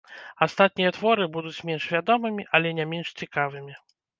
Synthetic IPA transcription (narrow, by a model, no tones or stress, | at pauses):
ast̪at̪̚nʲijɛt̪vɔɾɨbud̪ut͡sʲmʲɛnʂvʲad̪ɔmɨmʲiʔɐlʲɛnʲɛmʲɛnʂt͡sʲikavɨmʲi